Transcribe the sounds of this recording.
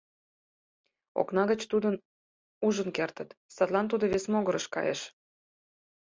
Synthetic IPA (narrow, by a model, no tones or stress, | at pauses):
o̰knɑɣət͡ɕt̪ud̪ən | uʒənkert̪ət̪sɑt̪lɑnt̪̬ud̪oβesmoɣə̆ɾə̆ʃkɑ̰jḛʃ